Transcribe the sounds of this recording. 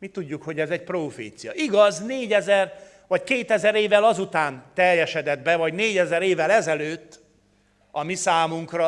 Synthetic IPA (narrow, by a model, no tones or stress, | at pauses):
mit̪uɟːukho̞ɟɛzɛc̚proːfḛːt̪sijɒʔiɡɒzneːɟɛzɛr | vɒckeːt̪ɛzɛɾeːvɛlɒzut̪aːnt̪ɛrjɛʃɛd̪ɛd̪bɛvɒɟneːɟɛzɛɾeːvɛlɛzɛløːt̪ː | ɒmisaːmuŋkrɒ